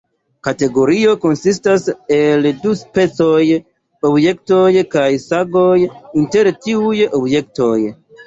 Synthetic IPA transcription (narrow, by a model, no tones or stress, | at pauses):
kate̞ɡo̞ɾio̞ko̞nsis̬tase̞lduspe̞t͡soj | obje̞kto̞jkajsaɡo̞jinte̞ɾtiujobje̞kto̞j